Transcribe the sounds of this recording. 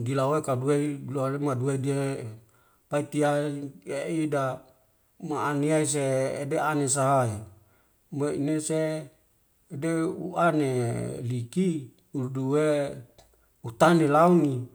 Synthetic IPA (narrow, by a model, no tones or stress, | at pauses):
dilaoekadueiloalemadueidie | pait̪iaeida | maːniais̬ḛːdeanes̬aɦai | maḭneseː | deuaneliki | uduwe | ut̪anelauni